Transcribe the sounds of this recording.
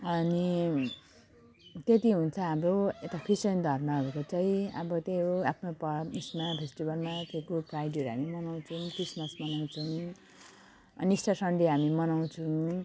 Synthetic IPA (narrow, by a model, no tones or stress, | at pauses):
ʌni | t̪et̪iɦunt͡sʰʌabɾoet̪akʰisend̪ʱʌrmʌʌɾukot͡sʌĩʌ̰bʌt̪eoapʰnopʌismapʰesʈibʱʌlmat̪ekoprajɖiʌɾuɦamimʌnaw̃t͡sʰumkrismʌsmʌnaw̃t͡sʰʌm | ʌniisʈasʌɳɖiɦamimʌnaw̃t͡sʰum